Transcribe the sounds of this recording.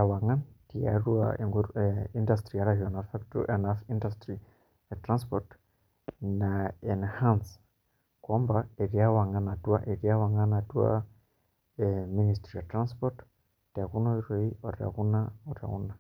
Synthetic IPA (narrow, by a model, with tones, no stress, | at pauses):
a˨wa˨ŋa˦ti˨a̰ɾu˦a̰e˨ŋɡui˦ndastɾia˦ɾahia˨nafaktṵʔɛnafi˦ndastɾi | tɾãnspɔt | naɛnhãns | kɔ˦mbae˨ɾia˦wa˨ŋa˨na˨twa˦ʔe˨ɾi˦a˦wa˨ŋa˦na˨twa̰˦ | emi˦nistɾi˨atɾã˦nspɔt | tia˨ku˦no˦i˦ɾe˦io˨ɾa̰˨ku˦na˦o˨ɾa̰˨ṵ˦na˨